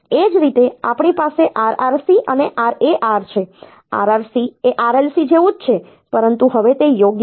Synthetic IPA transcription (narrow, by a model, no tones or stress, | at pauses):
ed͡ʒɾit̪ea̰pɳipaseʔaɾaɾsiʔəneʔaɾeʔaɾt͡ʃʰe | a̰ɾaɾsieʔaɾelsid͡ʒeʋũd͡ʒt͡ʃʰe | pəɾənt̪uɦəʋet̪ejoɡj